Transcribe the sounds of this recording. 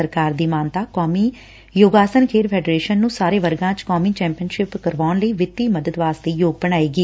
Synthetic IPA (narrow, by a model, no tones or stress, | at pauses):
əɾkaːɾd̪iːmaːnt̪aːkɔːmiː | joːɡaːsənkʰeːɾpʰɛːɖɾeːʃənːũːsaːɾeːʋəɾɡãːt͡ʃkɔːmiːt͡ʃɛ̃ːmpijənʃɪpkəɾʋaːnləiːʋɪt̪ːiːməd̪əd̪ʋaːst̪eːjoːɡ̚bəɽaːiːɡiː